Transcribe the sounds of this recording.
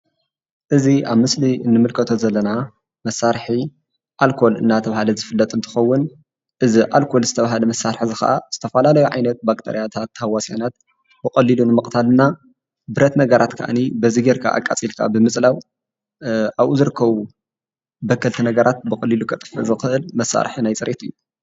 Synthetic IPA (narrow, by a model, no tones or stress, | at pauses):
ʔɨziʔaβmɨslinːɨmɨlkʰɐt̪ʰo̞zɐlːɐna | mɐsaɾħi | ʔalkʰo̞lɨ̰nːat̪ʰɐβahalɐzɨfɨlːɐt̪ʼɨnt̪ʰɨ̥xɐwːʊn | ʔɨziʔalkʰo̞lzɨt̪ʰɐβaɦalɐmɐsaɾħzɨxɐ̰ʔa̰z̥ɨt̪ʰɐfɐlalɐjuʕajnɐt̪̚bakt̪ʰḛɾijat̪ʰat̪ːhawːasanat̪̚ | bɨkʼɐlːilunɨmɨkʼt̪ʰalɨnːa | bɨɾɐt̪nɐɡɐɾat̪kʰa̰ʔa̰nibɐziɡeɾkʰa̰ʔa̰kʼat͡sʼilkʰa̰bɨmɨt͡sʼlaw | ʔaβuzɨɾɨkʰːɐβu | bɐkʰːɐlt̪ʰinɐɡɐɾʔat̪̚bɨxʼɐlːilukʰɐt̪ʼɨ̥fɨ̰ʔzɨxɨʔɨlmɐsa̰ɾħinajt͡sʼɨɾʔet̪ʰɨjːu